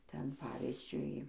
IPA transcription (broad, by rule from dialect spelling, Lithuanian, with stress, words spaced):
ˈtʲɛn ˈpɑːʋʲɪzʲd͡ʒʲʊɪ